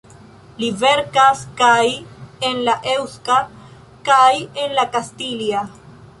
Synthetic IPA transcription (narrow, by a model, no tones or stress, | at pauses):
liveɾkaskajenlaʔewska | kaje̞nlakastilia